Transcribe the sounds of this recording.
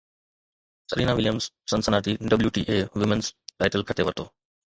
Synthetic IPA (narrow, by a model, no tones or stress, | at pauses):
t̪əɾiːnaʋɪljəmsːənsənaːʈiːɖəbljuːʈḭːʔeːʋɪmənsʈaːɪʈəlkʰəʈ̪eʋət̪oː